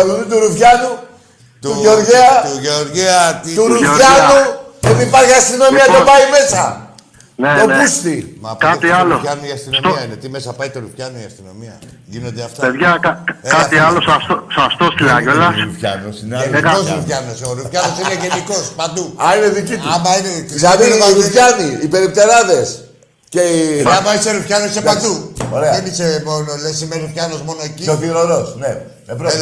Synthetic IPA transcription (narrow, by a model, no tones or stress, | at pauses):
ɐluðut̪uɾufçɐnu | t̪uʝeoɾʝeɐoɾet̪uɾuoɾɐnuet̪ipɐɾçiɐst̪ino̞miɐt̪obɐime̞sɐ | neonpust̪imɐkɐt̪iɐloɐnuiɐst̪inst̪oɐinet̪imesɐpɐjt̪oɾufçɐnuiɐst̪ino̞̰miɐ̰ | ʝinod̪eɐft̪ɐpeðʝɐkɐkkɐt̪iɐlosoaft̪osoast̪ost̪ilaʝolɐpçɐ̰nosineekosɾufçɐnosoɾufçɐnosineʝeniko̞spand̪uɐineðicit̪uamɐineit̪iamiɾupçɐniipe̞ɾip̚t̪e̞ɾɐðe̞s | ceamɐiseɾufçɐnosepand̪uoɾeɐenisemonolesimeɾufçɐno̞zmo̞noecioθiɾoɾosne | ebɾo